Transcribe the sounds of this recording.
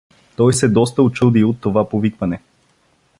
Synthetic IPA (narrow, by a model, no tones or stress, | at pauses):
t̪ɔjsɛd̪ɔst̪əʊt͡ʃud̪iot̪ːovapovikvɐnɛ